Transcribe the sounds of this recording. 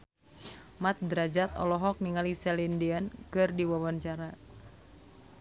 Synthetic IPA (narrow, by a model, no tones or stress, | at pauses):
mat̪̚dɾad͡ʒat̪ɔ̰lɔɦɔk̚niŋalisɛlindiankɨrdiwawaɲt͡ʃaɾa